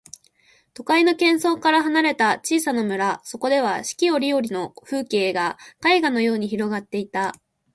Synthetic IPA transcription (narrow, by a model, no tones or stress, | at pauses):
t̪o̞kaino̞kẽ̞ɰ̃so̞ːkaɾaɦanaɾe̞t̪at͡ɕiːsanomɯ̟ɾaso̞ko̞d̪e̞β̞aɕi̥kʲio̞ɾʲio̞ɾʲino̞ɸɯ̟ːke̞ːɡakaiɡano̞jo̞ːɲ̟içiɾo̞ɡat̪ːe̞it̪a